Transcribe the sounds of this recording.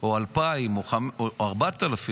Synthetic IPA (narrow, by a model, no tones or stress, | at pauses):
oalpaimoχamaʁbat̪alafi